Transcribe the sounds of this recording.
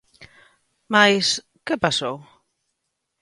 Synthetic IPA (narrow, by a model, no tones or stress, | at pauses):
majs | kepasow